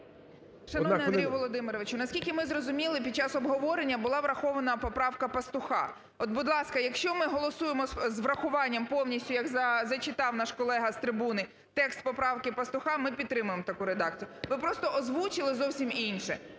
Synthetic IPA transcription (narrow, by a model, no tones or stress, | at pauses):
ʃɐnɔnɛɐd̪ʲijʋɔlˠɔd̪ɪmɪɾɔʋɪt͡ʃʊnɐsʲkʲilʲkɪmɪzrɔzʊmʲilˠɪp̬ʲid̪̚t͡ʃːɑsɔbɦɔʋɔɾenʲːɐbʊlˠɑʋɾɐxɔʋɐnɐpɔpɾɑwkɐpɐst̪ʊxɑ̰ | ɔd̪̚bʊd̪lˠɑskɐjɐkʃt͡ʃɔmɪɦɔlˠɔsujemɔzʋɾɐxʊʋɑnʲːɐmpɔwnʲisʲtʲʊjɐɡzɐzɐt͡ʃɪt̪ɑwnɑʃkɔlˠɛɦɐst̪ɾɪbunɪ | t̪ɛkst̪̚pɔpɾɑwkɪpɐst̪ʊxɑmɪpʲid̪t̪ːɾɪmʊjemɔt̪ɐkuɾed̪ɑk̚t͡sʲijʊʋɪpɾɔst̪ɔʔɔzʋut͡ʃɪlˠɪzɔwsʲiminʃɛ